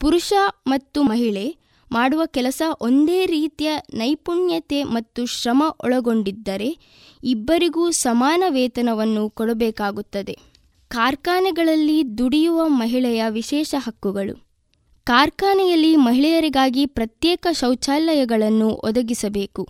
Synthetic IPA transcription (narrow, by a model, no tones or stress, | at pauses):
puɾuʃɐmɐt̪ːumɐɦiɭe̞ | maːɽuʋɐkɛlɐsɐʔo̞nd̪eːɾiːt̪ijɐnɐjpuɳjɐt̪e̞mɐt̪ːuʃɾɐmɐʔɔɭɐɡo̞ɳɖid̪ːɐɾe̞ | ibːɐɾiɡuːsɐmaːnɐʋɛːt̪ɐnɐʋɐnːukɔɽɐbɛːkaːɡut̪ːɐd̪e | kaːɾkaːnɛɡɐɭɐlːid̪uɽijuʋɐmɐɦiɭɛjɐʋiʃɛːʃɐɦɐkːuɡɐɭṵ | kaːɾkaːnɛjɐlːimɐɦiɭɛjɐɾiɡaːɡipɾɐt̪jɛːkɐʃɐwt͡ʃaːlɐjɐɡɐɭɐnːuʔɔ̰d̪ɐɡisɐbeːku